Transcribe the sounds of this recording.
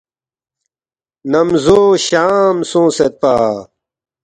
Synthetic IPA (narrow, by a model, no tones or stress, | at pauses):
nɐmzoːɕaːmsõːset̪̚paː